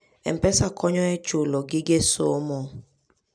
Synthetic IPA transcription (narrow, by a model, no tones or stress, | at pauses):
ɛ̰m̩pɛsakʰɔɲɔɛt͡ʃolɔɡɪɡeso̰mɔ